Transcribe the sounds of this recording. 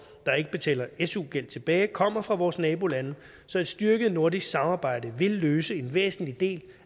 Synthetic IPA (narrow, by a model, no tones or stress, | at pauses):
d̥ɑ̈e̝ɡ̥əb̥e̝t͡sʰɛ̰ːlɐesuɡ̥el̰d̥t͡sʰe̝b̥ɛːɪkʰɒ̽m̰ɐfʁɑ̈ʋɒːsnɛːb̥o̝lænə | sɒ̽æd̥sd̥yɐɡ̥əð̩ˠno̝ɐ̰disɡ̥sɑ̈mɑ̈ːb̥ɑ̈ɪ̰dəʋe̝lːøːsəe̝nʋḛːsn̩lid̥e̝̰ːl